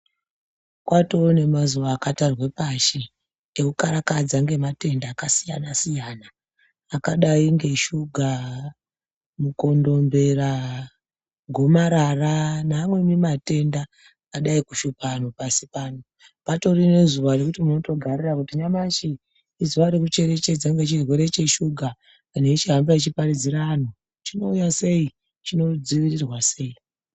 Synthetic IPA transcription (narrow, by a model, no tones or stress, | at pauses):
kwato̞ne̞mazuʋaːkatarwe̞paʃi | eukaɾakad͡zaŋɡe̞mate̞ndaːkasija̰nasijaːnaː | kaɗaiŋɡe̞ʃuɡʱa | muko̞ndo̞mbe̞ra | ɡʱo̞maɾaranaːmwe̞mimate̞ndaː | ɗaikuʃupanopasipano | pato̞rinezuʋarekutimuno̞to̞ɡʱarirakutiɲamat͡ʃiː | zuʋaɾekut͡ʃe̞ɾe̞t͡ʃe̞d͡zaŋɡet͡ʃirwe̞ɾe̞t͡ʃe̞ʃuɡʱaː | ne̞it͡ʃiɦambait͡ʃiparid͡ziɾano | t͡ʃino̞ujase̞i | t͡ʃino̞d͡ziʋirirwase̞ːi